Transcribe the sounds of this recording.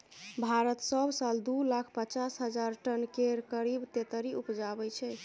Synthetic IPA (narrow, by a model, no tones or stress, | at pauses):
bʱaɾət̪səbsald̪ulakʰpət͡ʃasɦəd͡ʒaɾʈənkeɾkəɾibt̪et̪əɾiupd͡ʒabɛt͡ʃʰɛ